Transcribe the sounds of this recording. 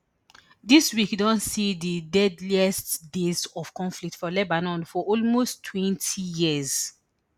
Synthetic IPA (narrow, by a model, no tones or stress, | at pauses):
diswikdɔ̃nsididɛdliɛstdezɔv̥kɔ̃ɱflik̚tfɔlɛbanɔ̃nfɔʔɔlmostʰːwɛ̃ntʰijiəz